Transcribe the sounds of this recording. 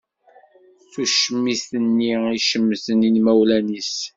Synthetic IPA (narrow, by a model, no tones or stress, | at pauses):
θuʃəmːisθənːiiʃəmːsəninmæwlænis